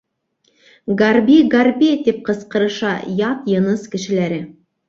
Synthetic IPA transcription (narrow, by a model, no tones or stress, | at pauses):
ɡarbʲiɡarbʲit̪ip̚qɤ̆sqɤ̆ɾɤ̆ʃɑjɑt̪jɤ̆nɤskɘ̆ʃɘ̆læɾɘ